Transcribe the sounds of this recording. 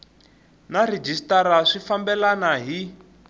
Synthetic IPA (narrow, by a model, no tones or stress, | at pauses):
nared͡ʒistaɾaʂifambɛlanaɦi